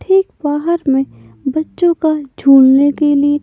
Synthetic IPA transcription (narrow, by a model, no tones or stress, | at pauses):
ʈʰeːkbaːɦəɾmẽ | bɐtːʃõkad͡ʒʱuːɽnekelie